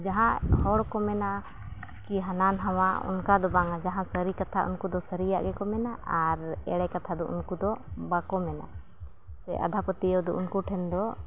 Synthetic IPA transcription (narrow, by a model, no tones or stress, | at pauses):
d͡ʒaɦãʔhɔɽkɔmɛna | kiɦananɦawaʔṵnkad̪ɔbaŋad͡ʒaɦãsəɾikat̪ʰa̰ʔṵnkud̪ɔsəɾija̰ʔɡɛkɔmɛnaʔaɾɛ̰ɽɛkat̪ʰad̪ɔʔṵnkud̪ɔbakɔmɛna̰ | sɛ̰ʔa̰d̪ʱapət̪iɔd̪ɔʔunkuʈʰɛnd̪ɔ